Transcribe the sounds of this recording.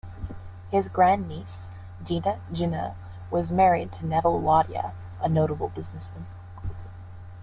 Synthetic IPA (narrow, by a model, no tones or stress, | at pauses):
hɪzɡɹæ̃nːis | dinɨd͡ʒɪ̃nə̰ | wʌzmɛɹid̚tʰɨnɛvl̩ˠlɑɾiə̰ | ʔənoʊɾəbl̩ˠbɪznɨsmɨ̃n